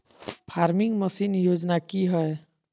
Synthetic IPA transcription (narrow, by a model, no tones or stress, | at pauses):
pʰaːɾmɪŋɡməsiːnjoːd͡ʒnakiɦɛe